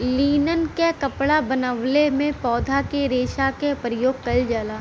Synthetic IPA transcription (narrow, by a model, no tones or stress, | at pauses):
liːnənkekɐpɽabɐnəʋlemẽpɔːd̪ʱakeɾeːʃakepɾəjoːɡ̚kɐld͡ʒaːlaː